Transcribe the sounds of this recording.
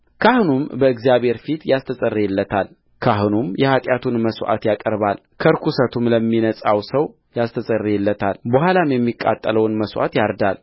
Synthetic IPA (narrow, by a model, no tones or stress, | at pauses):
kʰahnumbəɨɡzijaβhe̞ɾfit̪jast̪ʰəsʼərːeɛlːət̪ʰal | kʰaɦnumjɛhat̪ʼjat̪ʰunməswʔa̰t̪jakʼəɾbal | kʰəɾkʰusət̪ʰumləmːinəsʼawsəw | jast̪ʰəsʼərːeɛlːət̪ʰalbəhʷalamjɛmːikʼa̰t̪ʼːələwnməswʔa̰t̪jaɾd̪al